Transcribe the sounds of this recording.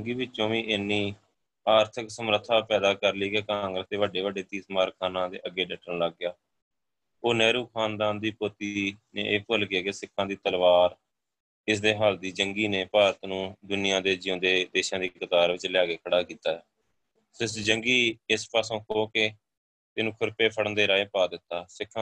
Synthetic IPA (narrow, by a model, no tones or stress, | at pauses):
ŋɡiːbɪt͡ʃːt͡ʃõːʋĩːʔenːiː | aːɾt̪ʰɪksəmɾət̪ʰːaːpɛːd̪aːkəɾliːkeːkaːŋɡɾəsd̪eːʋəɖeːʋəɖeːt̪iːt̪maːɾkʰaːnãːd̪ḛːʔəɡːeːɖɛːʈːəɳlaɡɪjaː | oːnɛːɾuːkʰaːnd̪aːnd̪iːpoːt̪inḛːʔeːpəlkɪjaːkeːsɪkʰːãːd̪iːt̪əlʋaːɾ | ɪsd̪eːɦaːld̪iːd͡ʒəŋɡiːneːpaːɾət̪nũːd̪ʊnɪjãːd̪eːd͡ʒɪjõːd̪eːd̪eːʃãːd̪iːkət̪aːɾʋɪt͡ʃlɪjaːɡeːkʰəɽaːkiːt̪aːɛː | sɪsd͡ʒəŋɡiːɪspaːsõːkoːke | t̪ɪnũːkʰʊɾpeːpʰəɽə̃nd̪eːɾaːeːpaːd̪ɪt̪ːaːsɪkʰːã